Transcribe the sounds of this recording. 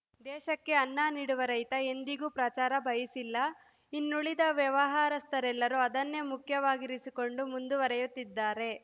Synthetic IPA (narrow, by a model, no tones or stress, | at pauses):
d̪ɛːʃɐkːe̞ɐnːaːniːɽuʋɐɾɐjt̪ɐe̞nd̪iɡuːpɾɐt͡ʃaːɾɐbʱɐjisilːɐ | inːuɭid̪ɐʋjɐʋɐɦaːɾɐst̪ʰɐɾɛlːɐɾuɐd̪ɐnːe̞mukʰjɐʋaːɡiɾisiko̞ɳɖumund̪uʋɐɾɐjut̪ːid̪ːaːɾe̞